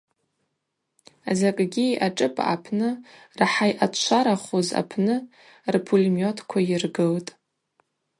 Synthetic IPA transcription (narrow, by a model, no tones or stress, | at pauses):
azakʼɡʲiaʈ͡ʂʼɨpʼa̰pʰnɨ | rħajʔat͡ʃʷʰaɾaχoza̰pʰnɨ | rpʰulʲmjotʰkʷʰajɪrɡɨltʼ